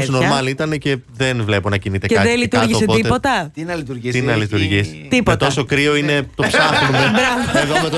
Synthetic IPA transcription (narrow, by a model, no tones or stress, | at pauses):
noɐmɐnit̪ɐnece̞ðenvle̞po̞nɐcinit̪eceðenlit̪uɐɾʝioːsepot̪itepo̞t̪ɐt̪inɐlit̪uɾʝit̪inɐlit̪uɾʝis | t̪ipot̪osokɾio̞ine̞t̪o̞psɐxnumebɾɐvoeðomet̪o